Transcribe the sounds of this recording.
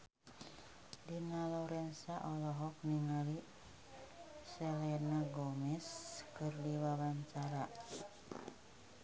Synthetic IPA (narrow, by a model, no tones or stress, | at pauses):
dinalɔɾɛnsaʔɔlɔɦɔk̚niŋali | sɛlɛnaɡɔmɛskɨrdiwawaɲt͡ʃaɾa